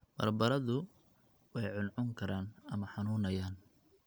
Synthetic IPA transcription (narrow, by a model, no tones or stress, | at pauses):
b̥ɐ̰rbɐɾɐðʊ | wɛjʕʊnʕʊŋkʰɐɾaːnɐmɐħɑnuːnɐjaːn